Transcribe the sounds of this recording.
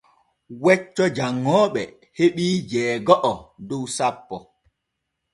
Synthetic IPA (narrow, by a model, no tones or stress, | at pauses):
wɛt͡ʃːɔd͡ʒaŋːɔːɓɛ | heɓiːd͡ʒɛːɡɔʔɔdowsapːɔ